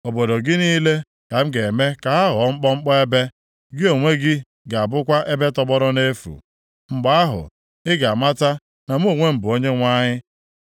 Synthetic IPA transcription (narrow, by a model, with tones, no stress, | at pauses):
o˨bo˨do˨ɡɪ˦niː˦le˦ | ka˨m̩˦ɡe˨me˦ka˨a˦ɦɔ˨˦ŋ͡m̩˦k͡pɔ˦ŋ͡m̩˦k͡pɔ˦e˦be˦ | ɡɪ˦o˨ŋʷe˦ɡɪ˦ | ɡa˨a˨bʊ˦kʷa˦ʔe˦be˦tɔ˦bɔ˦ɾɔ˦ne˦fṵ˨ | ŋ͡m̩˨ɡ͡ba˨a˦ɦʊ̰˨ | ɪ˦ɡa˨ma˦ta˦ | na˨m̩˦o˨ŋʷe˦m̩˨bʊ˨o˦ɲe˦ŋʷa˦ɲɪ˦